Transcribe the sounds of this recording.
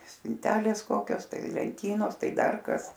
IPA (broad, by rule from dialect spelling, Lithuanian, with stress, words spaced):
sʲpʲɪnʲˈtʲæːlʲeːs ˈkoːkʲoːs ˈtɐɪ lʲɛnʲˈtʲiːnoːs ˈtɐɪ ˈdɐr ˈkɐs